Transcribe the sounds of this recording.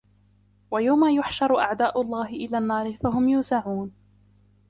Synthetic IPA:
wajawmaːjʊħʃɑɾˤʔa̰ʕd̪aːʔʊlˤːɑːɦɪʔɪlaːnːɑːɾɪfaɦʊmjuːsaʕuːn

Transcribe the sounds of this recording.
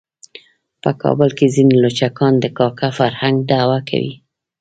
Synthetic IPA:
pəkɑ̰bəlkezinelot͡ʃakɑnd̪əkɑkafaɾhaŋɡ̚d̪awakʰa̰wḭ

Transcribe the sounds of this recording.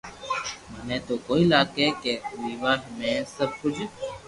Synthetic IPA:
mənẽːt̪oːkoːiːlaːkeːkeːʋiːʋaːʈmẽːsəb̚kʊd͡ʒ

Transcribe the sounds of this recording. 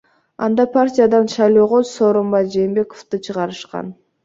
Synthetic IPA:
ɑ̰nd̪ɑpʰartʲijad̪ɑnʃɑjlˠo̞ːʁoso̞ːɾo̞mbɑjd͡ʒeːmbe̞koft̪ɯt͡ʃʰɯʁɑɾɯʃqɑ̰n

